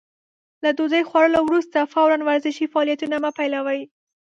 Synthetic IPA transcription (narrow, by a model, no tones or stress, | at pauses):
lad̪ozəjxwaɾəlowɾust̪afawɾanwaɾzɪʃifaːlijat̪unamapajlawəj